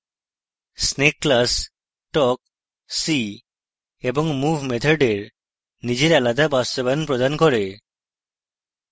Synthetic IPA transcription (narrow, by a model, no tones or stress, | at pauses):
snekːlas | ʈɔk̚ | si | ebɔŋmubʱmet̪ʰoɖeɾ | nid͡ʑeɾalad̪abast̪obanpɾod̪ankɔɾe